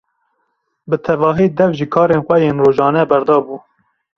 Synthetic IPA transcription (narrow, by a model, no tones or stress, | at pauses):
bɨt̪ʰɛvɑːɦiːd̪ɛvʒiːkʰɑːɾeːnxʷɛjeːnroːʒɑːnɛbɛɾd̪ɑːbuː